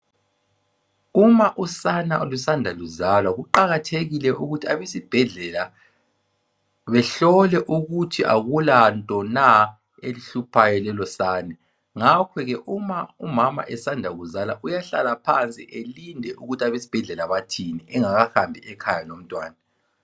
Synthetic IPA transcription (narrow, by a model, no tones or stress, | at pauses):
umaʔusanaʔulusandʱaluzalwaɣuǃaɣatʰeɣilɛʔuɣutʰiaβesib̥ʱɛɮɛla | βɛɬɔlɛʔuɣutʰiʔa̰ɣulantʼɔna | eliɬupʰajɔlɛlɔsaːnɛ | ŋakʰɔɣɛʔumaumama̰ʔɛsandʱaɣuzalaʔujaɬa̰lapʰant͡sʼiʔelindʱɛʔuɣutʰaβesi̥b̥ʱɛɮɛlaβatʰiniɛŋaɣaxambʱiɛkʰajanom̩tʼwaːna